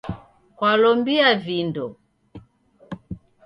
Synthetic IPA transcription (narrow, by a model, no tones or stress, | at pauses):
kwalɔmbiavindɔ